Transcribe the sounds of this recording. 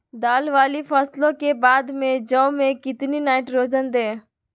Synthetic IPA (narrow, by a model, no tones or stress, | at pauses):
d̪aːlʋaːlipʰəslõkebaːd̪mẽd͡ʒə̃ʊmẽkɪt̪ninaːɪʈɾoːd͡ʒənd̪eː